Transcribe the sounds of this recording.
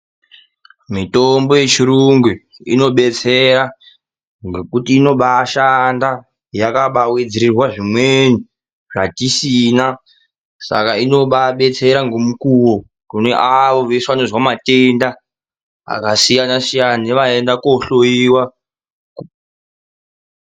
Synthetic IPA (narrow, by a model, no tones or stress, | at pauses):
mitombo̞je̞t͡ʃiɾuŋɡu | ino̞ɓe̞t͡se̞ɾa | ŋɡe̞kutiːno̞ɓaʃanda | jakaɓawed͡ziɾirwaʐimweni | ʐatisina | sa̰kaino̞ɓaɓe̞t͡se̞ɾaŋɡo̞mukuwo | kune̞ʔaʋo̞ʋesanozwamatenda | a̰kasijanasijaniʋae̞ndakoɬojiwa